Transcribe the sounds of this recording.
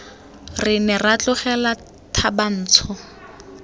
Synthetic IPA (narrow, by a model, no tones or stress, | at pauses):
rɪnɛrat͡ɬʊχɛla | tʰaban̩ːt͡sʰʊ